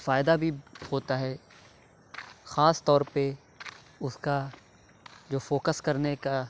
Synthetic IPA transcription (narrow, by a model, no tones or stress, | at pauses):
faːɪd̪abʱihoːt̪aɦɛː | xaːst̪ɔːɾpe | ʊska | d͡ʒoːfoːkəskɐɾneka